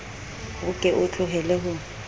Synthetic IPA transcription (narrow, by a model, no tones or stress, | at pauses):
hʊkʼɪʔʊt͡ɬʰʼʊɦɛlɛɦʊ